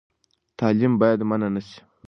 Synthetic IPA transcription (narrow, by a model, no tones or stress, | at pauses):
t̪ʰaːlimbajad̪mananəsi̥